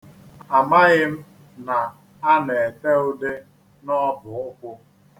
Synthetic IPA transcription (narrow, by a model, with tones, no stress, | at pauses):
a˨ma˦ɣɪ˦m̩˦ | na˨ | a˦ne˨e˨te˦ʊ˦de˦ | nɔ˦bʊ˨ʊ˦kʷʊ˦